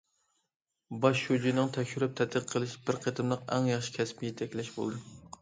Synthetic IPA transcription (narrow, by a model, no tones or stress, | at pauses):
bɑʃːud͡ʒinɨŋt̪ʰɛkʲʃyɾɪp̚t̪ʰɛt̪ʰːəqʰːəlˠɨʃbɪɾqʰet̪ʰɨmlˠɨqæ̰ŋjɑχʃɪ̥kʲʰɛspɪjet̪ʰɛkʲlæʃbo̰lˠd̪u